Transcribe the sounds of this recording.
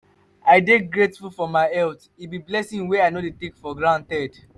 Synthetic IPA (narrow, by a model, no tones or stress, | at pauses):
aɪdeɡɹetfulfɔmaɪɛlt | ibiblɛsĩŋweaɪnoletekfɔɡɹãntɛd̥